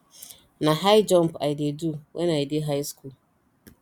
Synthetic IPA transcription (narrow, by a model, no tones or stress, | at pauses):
nãɦajd͡ʒɔ̃mpaideduwʔɛ̰najidɪɦajskul